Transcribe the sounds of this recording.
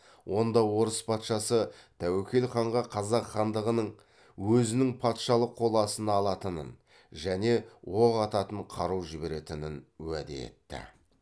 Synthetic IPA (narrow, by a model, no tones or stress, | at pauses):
wʔo̞nd̪ɑwo̞ɾəspʰɑt̪ʃɑsət̪ʰæwekʲe̞lχɑɴʁɑqʰɑzɑqχɑnd̪əʁənəɴ | wɵzɪnɪŋpʰɑt̪ʃɑlˠəqʰːo̞lˠɑsənɑlˠɑt̪ənə̰n | ʒæne̞woʁɑt̪ɑt̪əɴqʰɑɾuwʒɪbe̞ɾe̞t̪ɪnɪnwæd̪ḛḛt̪ːɪ̰